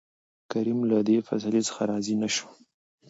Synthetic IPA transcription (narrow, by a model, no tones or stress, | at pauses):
kaɾimlad̪efa̰slet͡sə̥xaɾɑzinaʃu̥